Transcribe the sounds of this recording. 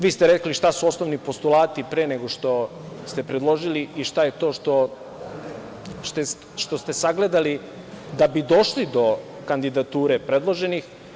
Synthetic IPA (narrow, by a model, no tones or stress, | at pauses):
ʋiːst̪eɾekliʃt̪asuo̞sno̞ʋnipo̞st̪ulˠaːt̪ipɾeːneɡo̞ʂt̪o̞ | st̪epɾed̪lˠo̞ʒiliʔiʃt̪ajet̪o̞ːʃt̪o̞ | ʃt̪e | ʃt̪o̞st̪e̞saɡle̞d̪ali | d̪abid̪o̞ʃlid̪o̞ | kand̪id̪at̪uːɾe̞pɾed̪lˠo̞ʒe̞nix